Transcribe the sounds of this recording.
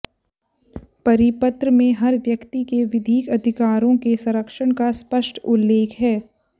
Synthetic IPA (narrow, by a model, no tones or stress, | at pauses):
pɐɾɪpət̪ɾəmẽɦɐɾʋjɐkt̪ikeʋɪd̪ʱiːkɐd̪ʱɪkaːɾõkesɐ̃ɾəkʃəɽ̃kaspəʃʈʊlːeːkʰɦɛː